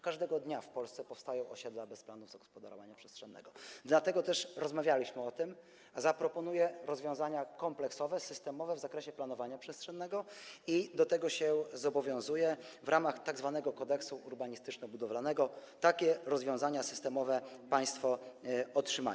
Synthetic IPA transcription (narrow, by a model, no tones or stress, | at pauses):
kaʐd̪ɛɡɔd̪ɲafpɔlst̪sɛpɔfst̪ajɔ̃w̃ɔɕɛd̪labɛsplanuvzaɡɔ̥spɔd̪a̰ɾɔ̰vaɲapʂɛstʂɛnːɛ̰ɡɔd̪lat̪ɛɡɔt̪ɛʂɾɔzmavʲjalʲiɕmɘɔt̪ɘm | zapɾɔpɔn̪ujɛɾɔzvʲjɔ̃w̃zaɲakɔmplɛksɔvɛsɘst̪ɛmɔvɛvzakɾɛɕɛplan̪ɔvaɲapʂɛstʂɛnːɛɡɔid̪ɔt̪ɛɡɔɕɛzɔbɔvʲjɔ̃w̃zujɛvɾʔamaxt̪aɡzvanɛɡɔkɔd̪ɛksuuɾbaɲist̪ɘt͡ʂnɛbud̪ɔvlanɛɡɔt̪akʲɛɾɔzvʲjɔ̃w̃zaɲasɘ̥st̪ɛmɔvɛpaj̃st̪fɔɔtʂɘma̰